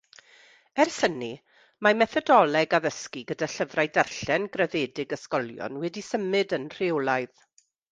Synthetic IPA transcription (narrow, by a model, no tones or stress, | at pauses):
ɛrsəni | mamɛθɔdɔlˠɛɡaðəskiɡədaɬəvrajdarɬɛnɡrɛðeːdɪɡəskɔlˠjɔ̰nwɛdisəmɨdənr̥ɪwlˠajð